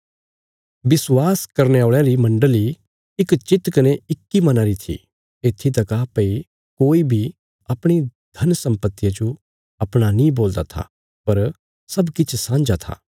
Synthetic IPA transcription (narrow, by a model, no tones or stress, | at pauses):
bɪswaːskɐɾneaːɭaɾimɐ̃ɳɖəli | ɪkt͡ʃɪt̪kɐneɪkːimɐnaɾit̪ʰḭ | eːt̪ʰːit̪̬ɐkaːpɐi | koːibʱi | ɐpɽ̃id̪̥ʱɐnsɐ̃mpət̪ːijad͡ʒo | ɐpɽ̃anĩboːld̪at̪ʰa̰ | pɐɾ | sɐbkɪt͡ʃʰsãːnd͡ʒat̪ʰa̰ː